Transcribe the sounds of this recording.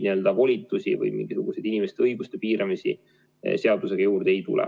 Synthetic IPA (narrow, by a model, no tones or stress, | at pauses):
niø̞ld̪̥ɑvo̞lʲit̪ːˑusivɯ̰jmḭŋɡ̥isuɡ̥use̞jd̪̥inʲime̞st̪eɤjɡust̪e̞piːɾɑmisḭ | seɑd̪use̞ɡ̥ɑjuːrd̪̥e̞jt̪ṵlɛ̰